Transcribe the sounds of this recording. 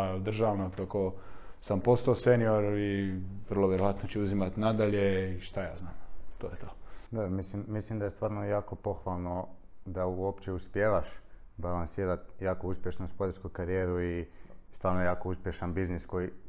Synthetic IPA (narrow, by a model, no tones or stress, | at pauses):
d̪r̩ʒaʋnoot̪kakosampost̪aosenioɾiʋr̩lˠoʋjeɾojat̪not͡ɕɛuzimat̪nad̪aʎeiʃt̪ajaːznaːmt̪oːjet̪ʰod̪obɾmislimːislimd̪ajest̪ʋaːɾnojaːko̞po̞xʋalˠno̞ | d̪auopt͡ʃeuspjeːʋaʃ | balansiːɾat̪jaːkouspje̞ʃnuuspod̪eɾskukaɾijeːɾuist̪ʋaːɾnojaːkouspʲjeʃanbizniskoji